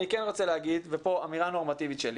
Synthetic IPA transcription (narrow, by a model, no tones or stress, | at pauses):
nikenʁot͡seleaɡid̪vepo̞amiʁano̞ʁmat̪ivit̪ʃeli